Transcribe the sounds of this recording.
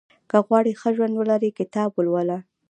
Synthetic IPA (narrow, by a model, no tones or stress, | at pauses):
kəɣwɑɽixəʒwand̪wəlaɾikɪt̪ɑbwəlwəla